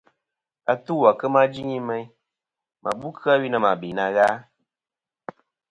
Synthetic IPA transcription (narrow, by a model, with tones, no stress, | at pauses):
a˨tu˦˨wa˨kə˦ma˦d͡ʒi˦ŋi˦mɛ˦j | mʔa̰˨bu˦kʰɨ˦a˦wi˦nə˧ma˨bi˨na˧ɣaː˦